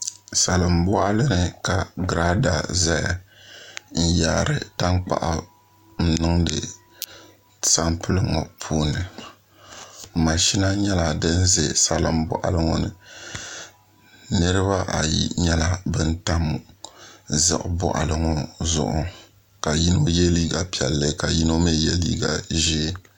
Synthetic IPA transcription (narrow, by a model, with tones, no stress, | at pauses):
sa˨lɨ˨mbɔ˦ʔa˦lɨ˦nɨ˨ka˨ɡɾa˦da˨za˦ja˨ | n̩˦jaː˨ɾɨ˨ta˦ŋk͡pa̰˨ʔa˨ | n̩˦nɨ˦ŋdɨ˨ | sa˦mpɨ˦lɨ˦ŋɔ̰˨pʰuː˦nɨ˨ | ma˨ʃi˦na˦ɲɛ˦la˨dɨ˦n˦ze˨sa˦lɨ˨˦mbɔ̰˦ʔa̰˦lɨ˦ŋɔ˨nɨ̰˨ | nɨ˦ɾɨ˦βa˦ʔa˨jḭ˦ɲɛ˦la˨bɨ˦n˦ta˦m˨ | zɨ̰˦ʔʊ˨˦bɔ̰˦ʔa̰˨lɨ˦ŋɔ˨zʊ̰˨ʔʊ˨ | ka˨ji˦no˦jɛ˦liː˦ɡa˨pi˨ɛ˨lːɨ˦ka˨ji˦no˦me˦jɛ˦lḭː˦ɡa̰˨ʒiː˦